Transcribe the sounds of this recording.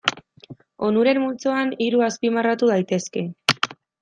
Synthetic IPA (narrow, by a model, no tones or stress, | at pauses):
onuɾe̞mmult͡so̞aniɾuaspimarat̪uð̞ajt̪e̞ske̞